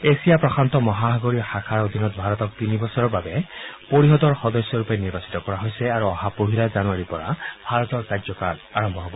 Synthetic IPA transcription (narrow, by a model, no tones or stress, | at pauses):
esijapɹɔkʰant̪ɔmɔɦaɦɔɡoɹixakʰaɹod̪ʱinɔt̪̚bʱaɹɔt̪ɔk̚t̪inibɔsɔɹɔɹbabɛpoɹiɦɔd̪ɔɹxɔd̪ɔsjɔɹupɛniɹbasi̥t̪ɔkɔɹaɦojsɛaɹuɔhapoɦilazanuaɹipɔɹa̰bʱaɹɔt̪ɔɹkazɔkanaɹɔmbʱɔɦɔbɔ